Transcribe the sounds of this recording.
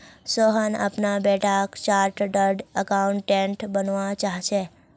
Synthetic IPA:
sɔɦəna̰pnabɛʈʰakt͡ʃaɾʈɖəɾɖəkauɳʈːẽɳʈbənʋãt͡ʃaɦʃʰe

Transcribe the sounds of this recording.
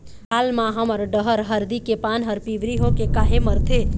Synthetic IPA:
ɦaːlmãɦəməɾɖəɦəɾɦəɾd̪ikepaːnɦəɾpiʋɾiɦokekaːɦeməɾt̪ʰe

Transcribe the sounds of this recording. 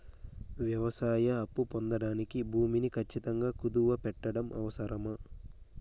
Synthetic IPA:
ʋjɐʋɐsaːjɐːpːupond̪ɐɽaːnikibʱuːminikʰɐt͡ʃːit̪ɐŋɡaːkud̪uʋɐpɛʈːɐɽɐmʔɐ̰ʋɐsɐɾɐmɐ

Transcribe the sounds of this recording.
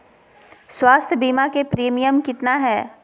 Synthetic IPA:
swaːst̪ʰjəbiːmakepɾiːmijəmkɪt̪naɦɛː

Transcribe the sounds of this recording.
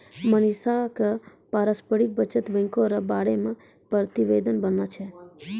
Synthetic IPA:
mənisaka | paɾəspəɽik̚bət͡ʃət̪ʋə̃ŋkoɾabaɽemã | pɾət̪iʋed̪ənbənat͡ʃʰe

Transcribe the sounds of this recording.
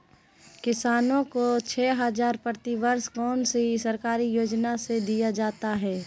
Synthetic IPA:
kɪsaːnõkot͡ʃʰɛːɦəzaːɾpəɾt̪iʋəɾskɔːnseɦisɐɾkaːɾijoːd͡ʒnased̪ijad͡ʒaːt̪aɦɛː

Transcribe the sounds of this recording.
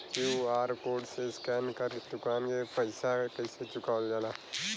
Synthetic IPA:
kjuaːɾkoːɾɖseskɛːnkɐɾd̪ʊkaːnkepɐɪsakɐɪset͡ʃʊkaːld͡ʒaːlaː

